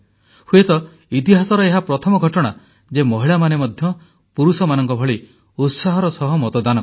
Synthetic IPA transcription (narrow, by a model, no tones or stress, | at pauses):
huet̪ɔ | it̪̬iɦasɔɾɔeɦapɾɔt̪ʰɔmɔɡʱɔʈɔɽ̃a | d͡ʒemɔɦiɭamanemɔd̪ʱjɔ | puɾusɔmanɔŋkɔbʱɔɭi | ut̪saɦɔɾɔsɔɦɔmɔt̪ɔd̪anɔ